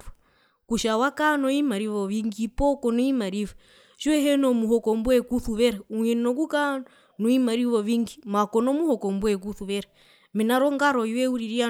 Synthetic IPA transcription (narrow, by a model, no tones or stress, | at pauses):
kuʃawakanɔimaɾiβɔβiŋɡipɔkɔnɔimaɾiβɔ | ʃiwɛɦɛnɔmuhɔkɔmbwɛkuθuβɛɾauŋɛnɔk̬uka | nɔimaɾiβɔβiŋɡimakɔnɔmuhɔkɔmbwɛk̬uθuβɛɾa | mɛnaɾɔŋɡaɾɔiwɛuɾiɾia